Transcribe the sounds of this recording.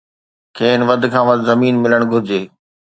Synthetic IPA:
kʰeːnʋɐd̪ʱkʰãːʋɐd̪zɐmiːnmɪləɽ̃ɡʱʊɾd͡ʑeː

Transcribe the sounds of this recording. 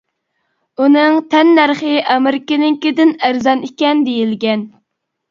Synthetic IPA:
unɨŋt̪ʰɛnːæɾχɪʔɑmɪɾɪkʲɪnɪŋkʲɪd̪ɪnæɾzɑnikʲɛnd̪ejilɡʲɛn

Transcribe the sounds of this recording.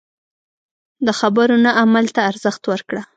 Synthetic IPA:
d̪əxabəɾonaʔamalt̪aːɾzəxt̪wəɾkɽa

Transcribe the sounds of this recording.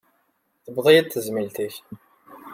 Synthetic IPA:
θəbðˤijæd̪θəzmilt̪iç

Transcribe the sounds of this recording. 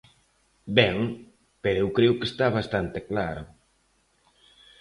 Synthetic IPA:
bɛŋ | peɾoewkɾewkest̪aβ̞ast̪ant̪eklaɾo

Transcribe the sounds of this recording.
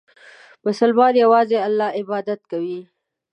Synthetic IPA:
bəsalbɑd̪jawɑzealːɑɪbɑd̪at̪kawi

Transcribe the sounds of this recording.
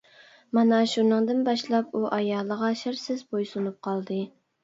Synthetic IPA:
mɑnɛʃunɨŋd̪ɨnbɑʃlˠɑp̚uʔɑjɑːlˠəʁɑʃɪɾsɪzbojsunup̚qʰɑlˠd̪ɨ

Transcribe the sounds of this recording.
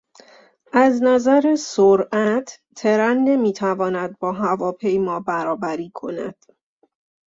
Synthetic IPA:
ʔæznæzæɾesoɾʔæt̪ʰ | t̪ʰe̞ɾænːe̞miːt̪ʰævɒːnæd̪̚bɒːɦævɒːpʰe̞jmɒːbæɾɒːbæɾiːkʰo̞̰næ̰d̪̥

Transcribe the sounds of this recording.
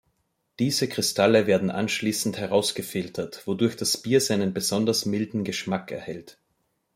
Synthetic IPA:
d̥iːzəkʁ̥ɪstʰaləveːɐdn̩ʔa̰nʃliːsn̩thɛʁaʊsɡ̥əfɪltʰɐtv̥odʊɐçd̥asb̥iːɐzaɪnənbəzɔndɐsmɪldn̩ɡəʃmakɛ̰ɐhɛlt

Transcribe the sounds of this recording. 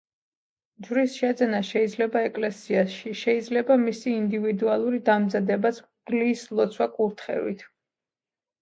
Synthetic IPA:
d͡ʒɾisʃɛd̪zɛnaʃɛid̪zlɛbaɛkʼlɛsiaʃiʃɛid̪zlɛbamisiːnd̪ivid̪ualˠuɾid̪amzad̪ɛbasʰ | d̪lislˠɔt̪sʰwakʼuɾt̪ʰχɛ̰vḭt̪ʰ

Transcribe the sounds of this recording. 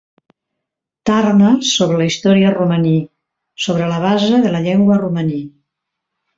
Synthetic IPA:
t̪arnəsoβɾələist̪ɔɾiəruməni | soβ̞ɾələβ̞azəðələʎeŋɡwəruməni

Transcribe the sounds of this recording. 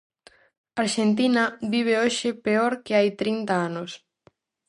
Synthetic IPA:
aɾʃent̪inɐβiβ̞eoʃɪpeoɾkeajt̪ɾint̪aanos

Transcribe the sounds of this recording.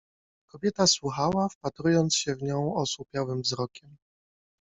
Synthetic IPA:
kɔbʲjɛt̪aswuxawafpat̪ɾujɔnt̪sɕɛvɲɔ̃w̃ɔsupʲjawɘmvzɾɔkʲɛm

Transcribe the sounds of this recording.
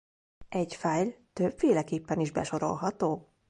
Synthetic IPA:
ɛɟfaːjt̪øbfeːlɛkeːpːɛniʒbɛ̰ʃo̞ɾo̞̰lɦɒt̪oː

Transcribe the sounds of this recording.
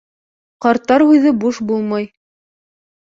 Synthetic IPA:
qɑɾt̪ːɑɾʉjðɘbuʃbulˠmɑj

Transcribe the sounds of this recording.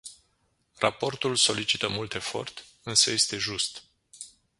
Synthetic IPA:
rapo̞rt̪ulso̞lit͡ʃit̪əmult̪e̞fo̞̰rt̪ | ɨnsəje̞st̪e̞ʒust̪

